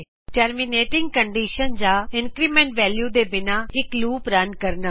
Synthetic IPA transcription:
ʈeɾmineːʈɪ̃ŋɡ̚kɐ̃ɳɖiːʃənd͡ʑaːɪ̃nkɾiːmẽːɳʈʋɛːljud̪ebɪnaɪkluːpɾankɐɾna

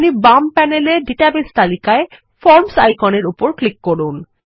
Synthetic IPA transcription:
nibampɛneleɖiʈabest̪alikae | fɔɾmsajkɔneɾupoɾklikːoɾun

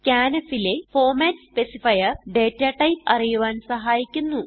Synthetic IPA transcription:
kʲaːnɐfile̞foːmeːnspesifɐjɐɖe̞ːtːaːʈɐjpɐrijuʋaːnsɐɦaːjikʲːunːu

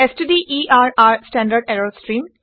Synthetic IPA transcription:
esʈid̪iʔiːʔaːɾaːɾsʈæ̃ːɳɖəɾɖeɾosʈɾĩːm

